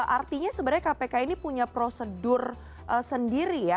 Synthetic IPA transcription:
ʔart̪iɲasəbaɾɡajkapekainipuɲapɾosədʊr | ʔəsəndiɾija

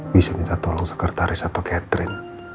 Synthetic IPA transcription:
bisamit̪at̪ɔlɔŋsə̥kərt̪aɾɪsat̪akɛt̪ɾɪn

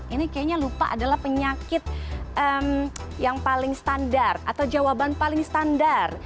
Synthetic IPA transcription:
inikajaɲalupa̰ʔadalahpəɲakɪt̪̚ʔəmjaŋpalɪŋsə̥t̪andara̰t̪awd͡ʒawabanpalɪŋsə̥t̪andar

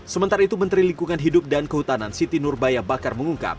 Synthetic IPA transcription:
səmənt̪aɾait̪umənt̪ɾiliŋkuŋanɦidʊp̚dankəɦut̪anansit̪inʊrbajabakarməŋuŋka̰p̚

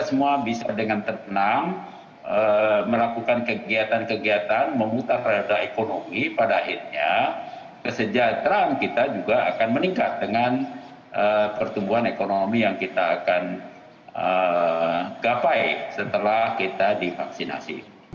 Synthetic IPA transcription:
asəmuabisadəŋant̪ərt̪ənaŋ | əməlakukankəɡiat̪ankəɡiat̪anməmut̪arːadaekonomipadaːhirɲa | kəsəd͡ʒat̪ɾaːnkit̪ad͡ʒuɡaa̰kanməniŋkat̪̚dəŋan | ʔəpərt̪umbuɦanekonomijaŋkit̪aːkan | ə | ɡapajsət̪əlahkit̪adifa̰ksina̰sḭ

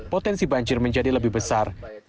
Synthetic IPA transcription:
pot̪ɛnsibaɲd͡ʒɪrməɲd͡ʒadiləbɪhbəsar

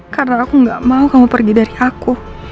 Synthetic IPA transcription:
karnaːkuŋɡaʔmaukamupərɡidaɾiaku

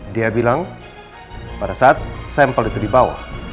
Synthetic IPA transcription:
diabilaŋ | padasaat̪̚sɛmpəlit̪udibawa̰h

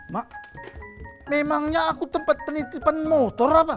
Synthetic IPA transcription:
ma | memaŋɲaːkut̪əmpat̪̚pənit̪ipanmot̪ɔrapa

